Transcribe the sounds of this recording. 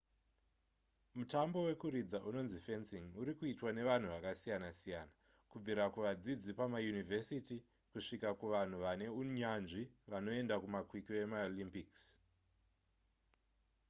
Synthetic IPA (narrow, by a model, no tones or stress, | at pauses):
mutambo̞we̞kuɾid͡zaʔuno̞nzife̞nsiŋuɾikuitwane̞ʋan̤uʋakasijanasijaːna | kub͡viɾakuʋad͡zid͡zipamajunivʱe̞siti | kuʂikakuʋan̤uʋane̞uɲanʐiʋano̞e̞ndakumakwikie̞maolimpiks